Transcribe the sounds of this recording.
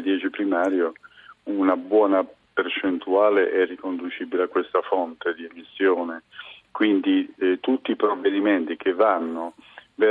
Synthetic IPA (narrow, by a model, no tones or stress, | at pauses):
d̪jɛːt͡ʃipɾimaːɾjounabwɔːna | pert͡ʃɛnt̪uaːleʔɛrːikond̪ut͡ʃiːbileakːwest̪afɔnt̪ed̪iemisːjɔːnɪkwind̪it̪ut̪ːiːpɾovːed̪imɛnt̪ik̟evːanːʊvɛ